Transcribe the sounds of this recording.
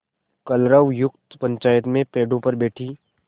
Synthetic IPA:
kɐlɾəʋjʊkt̪pɐ̃ɲt͡ʃaːjət̪mẽpeːɖõpɐɾbeːʈʰiː

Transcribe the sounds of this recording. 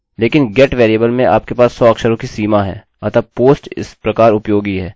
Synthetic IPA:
leːkɪnɡɛːʈʋeːɾijəbəlmẽʔa̰ːp̚kepaːsːɔːɐkʃəɾõkisiːmaɦɛ̰ː | ɐt̪ʰapoːsʈɪ̰spɾɐkaːɾʊpjoːɡiɦɛː

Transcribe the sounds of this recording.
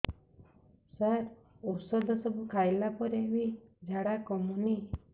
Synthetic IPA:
saɾ | osɔd̪ʱɔsɔbukʰajlapɔɾewid͡ʒaɽakɔmuni

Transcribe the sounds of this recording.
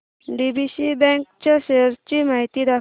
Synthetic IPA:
ɖibisibɛ̃ŋkt͡ɕaɕeɾt͡ɕimaɦit̪iːd̪a

